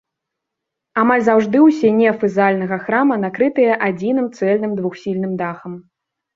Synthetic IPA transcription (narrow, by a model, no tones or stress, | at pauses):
amalʲzawʐd̪ɨwsʲɛnʲɛfɨzalʲnɐɣɐxɾamɐnakɾɨt̪ɨjɐʔad͡zʲinɨmt̪sɛlʲnɨmd̪vuxsʲilʲnɨmd̪axɐm